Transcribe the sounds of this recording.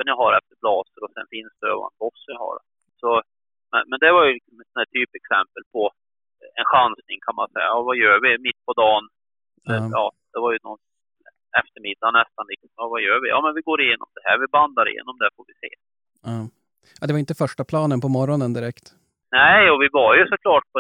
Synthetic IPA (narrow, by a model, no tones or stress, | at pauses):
ənjɑɦaɾɛft̪əɾblɑːsəɾɔsɛ̰nfɪnsd̪ɛø̰ːva̰nk̪ʰɔsːjɑha̰ɾ | sɔ | mɛ̰nmɛnd̪ɛvaɾjɵlɪksɔmɛnsɔnæːʈt̪ʰyːpɛksɛmpəlpʰɔ | ɛnɧansnɪŋkʰanma̰nsɛjːa̰ɑvajœːvɪmɪt̪ːpʰɔd̪ɑːnː | jɑːd̪̥ɛvaɾjɵnɔn | ɛft̪əɾmɪd̪ːanɛst̪anlɪk̪sɔmɑvajøːɾvɪjʔɑ̰ːmɛnvɪɡoːɾɪjeːnɔ̰md̪ɛɦæ̰ːɾvɪband̪aɾɪ̰jḛːnɔmd̪ɛfoɾvɪsḛː | ad̪ɛvaɪnt̪̬əfœʂʈapʰlɑːnənpʰɔmɔɾɔnənd̪ɪɾɛkt̪ | næɪɔvɪvɑɾjɵsɔkʰlɑːʈ̚pʰɔ